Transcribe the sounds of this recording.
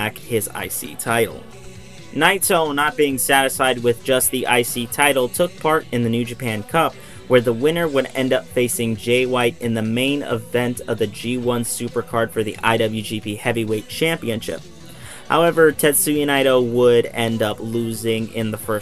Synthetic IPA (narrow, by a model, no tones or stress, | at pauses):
ækhɪza̰ɪsḭtʰaɪɾl̩ˠ | naɪtsõʊ̃nət̚b̥iɪ̃ŋsæɾɨsfaɪd̚wɪðd͡ʒʌst̪̚ðiʔa̰ɪsitʰaɪɾl̩ˠtʰʊk̚pʰɑɹɾɨ̃nðɨnʉd͡ʒɨpʰæ̃nkʰʌp̚ | wə˞ðəwɪ̃ñə˞wəɾɛ̰̃ndʌpfeɪsɪ̃ŋd͡ʒeɪwaɪɾɨ̃nðɨmẽɪ̃nɪ̰vɛ̃ntʌvðɨd͡ʒiwʌ̃nsʉpə˞kʰɑɹd̥fə˞ðḭʔa̰ɪɾʌbl̩ˠjʉd͡ʒipʰihɛviweɪt̚t͡ʃʰæ̃mpiɨ̃nʃɪ̰p̚ | ha̰ʊɛvə˞tʰɛdsʉjɨnaɪɾoʊwəɾɛ̃ndʌpluzɪ̃ŋɪ̰̃nðəfɜ˞